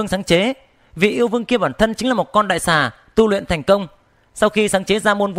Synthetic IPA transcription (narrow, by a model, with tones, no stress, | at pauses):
əŋsaː˨˦ŋt͡ɕe˨˦ | vḭ˨ʔi˧əwvɨ˧əŋki˧əɓaː˧˩nt̪ʰə˧nt͡ɕŋlaː˨˩mo˨˩t̚kɔ˧nɗa̰ː˧˨jsaː˧˩ | t̪u˧lwḭ˧˨nt̪ʰjŋ̟kə˧wŋ͡m | sa˧wxi˧saː˨˦ŋt͡ɕe˨˦zaː˧mo˧nv